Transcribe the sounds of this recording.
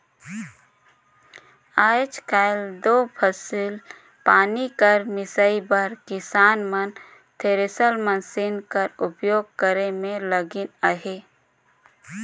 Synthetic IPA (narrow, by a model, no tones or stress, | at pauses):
aːd͡ʒkaːɪld̪oːpʰəsil | paːnikəɾmɪsəibəɾkɪsaːnmən | t̪ʰeɾesəlmənsɪnkəɾʊpjoːɡ̚kəɾemẽləɡɪnəɦeː